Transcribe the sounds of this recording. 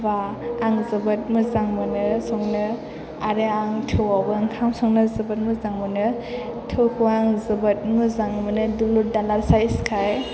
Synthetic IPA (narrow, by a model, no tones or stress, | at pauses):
baː | ŋzɯbɯt̚mɯzaŋmɯnɯsɔŋnɯ | aɾeaŋtʰɯwawɡɯŋkʰamsɔŋnɯzɯbɯt̚mɯzaŋmɯnɯ | tʰɯwkʰɯwaŋzɯbɯt̚mɯzaŋmɯnɯduludalaɾsajskʰaj